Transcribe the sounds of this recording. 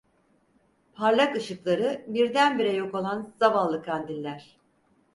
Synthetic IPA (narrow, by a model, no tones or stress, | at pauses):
pʰaɾlʲˠakɯʃɯklˠaɾɯbiɾd̪ænbiɾɛjo̞ko̞lˠanz̥avalˠːɯkʰand̪inʲlʲæɾ̥